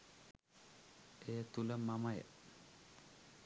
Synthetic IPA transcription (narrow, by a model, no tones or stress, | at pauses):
ejət̪uləmːaməjə̰